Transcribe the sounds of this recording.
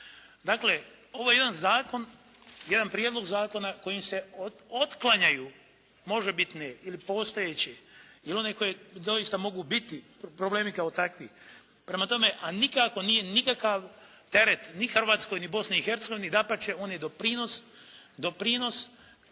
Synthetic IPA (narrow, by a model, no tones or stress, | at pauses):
d̪akle̞ | o̞ʋojed̪anzaːko̞n | je̞d̪anpɾijed̪lo̞ɡzaːko̞nako̞jimse̞ot̪klˠaɲaju | mo̞ʒebit̪neilipo̞ːst̪ojet͡ɕeilio̞neko̞jed̪o̞jist̪amo̞ɡubit̪i | pɾoble̞ːmikaot̪akʋiː | pɾe̞mat̪o̞me̞ʔanikako̞nijenikakaʋ | t̪e̞ɾet̪nixrʋaːt̪sko̞jnibo̞sniixe̞ɾt̪seɡo̞ʋinid̪apat͡ʃeo̞ːnjed̪opɾino̞sd̪o̞pɾino̞s